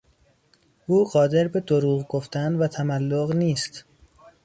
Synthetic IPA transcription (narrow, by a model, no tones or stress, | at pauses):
ʔuːɢɒːd̪e̞ɾbe̞d̪oɾuːɣɡoft̪ænd̪væt̪ʰæmælːoɣniːst̪